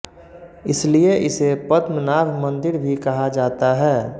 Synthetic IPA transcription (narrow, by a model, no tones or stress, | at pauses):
ɪslieʔɪsepət̪mənaːbʱmə̃nd̪ɪɾbʱikɐɦad͡ʒaːt̪aɦɛː